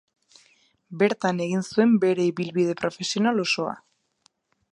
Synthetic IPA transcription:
be̞ɾt̪ane̞ɣinsue̞mbe̞ɾe̞iβilβið̞e̞pɾo̞fe̞sio̞nalo̞so̞a̰

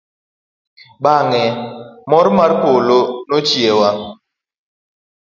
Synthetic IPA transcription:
ɓaŋɛmɔɾmaɾkolonot͡ʃiɛwa

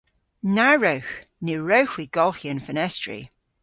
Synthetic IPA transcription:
naɹəwxnɪɹowxwiɡ̥ɔlˠxiə̃nfənɛstɹḭ

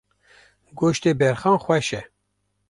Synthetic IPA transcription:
ɡoːʃt̪eːbɛɾxɑːnxwɛʃɛ

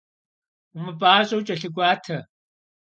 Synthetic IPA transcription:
ʊmɨpʼaːɕʼɐwt͡ʃʼɐɬɨɡʷaːtʰɐ

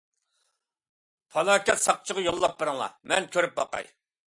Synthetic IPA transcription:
pʰɑlˠɑːkʲɛt̪sɑqt͡ʃʰəʁɑjolˠːɑp̚bəɾɨŋlˠɑ̰mɛnkʲʰøɾyp̚bɑqɑ̰j

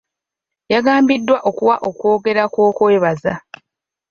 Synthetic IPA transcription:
jaɡaːmbidːwaʔokuwaʔo̞kwo̞ːɡe̞ɾakwo̞ːkwe̞ːβaza

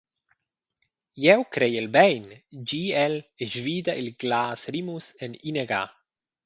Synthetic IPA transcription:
jɛwkɾejelbɛjnd͡ʒiːɛleʒviːd̪aʔilɡ̥laːsɾimusenineɡa̰

